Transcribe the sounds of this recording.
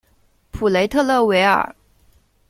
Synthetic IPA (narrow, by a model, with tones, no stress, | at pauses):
pʰu˨˩le˧˥ɪt̪ʰɤ˥˧lɤ˥˩we˧˥ɪə̰˞˨˩˦